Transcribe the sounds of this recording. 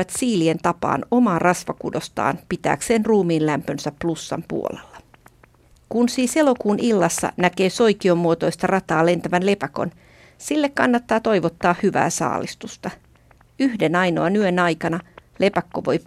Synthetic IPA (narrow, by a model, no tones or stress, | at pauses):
æt̪siːlie̞nt̪ɑpɑ̰ːno̞mɑːrɑsʋɑkṵdo̞st̪ɑ̰ːnpit̪æ̰ːkse̞ːnruːmiːnlæmpønsæpːlusːɑ̰mpṵo̰le̞̰lːɑ | kunsiːse̞lo̞kuːnilːɑsːɑ̰næke̞ːso̞jkiomːuot̪o̞jst̪ɑrɑt̪ɑːle̞nt̪æʋænle̞pæko̞̰n | silːekkɑnːɑt̪ːɑːt̪o̞jʋot̪ːɑːhhyʋæ̰ːsɑ̰ːlist̪ust̪ɑ | yhde̞nɑjno̞ɑnyønɑjkɑnɑlʔe̞pækːoʋo̞j